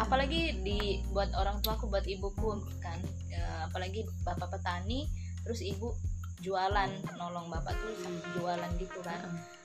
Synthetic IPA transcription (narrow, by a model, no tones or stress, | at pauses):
apalaɡidibuat̪oɾaŋt̪uakubuat̪ibukʊn | kan | əapalaɡi | bapapət̪anit̪əɾʊsibu | d͡ʒualannɔlɔŋbapa̰ʔt̪usad͡ʒualanɡit̪ukana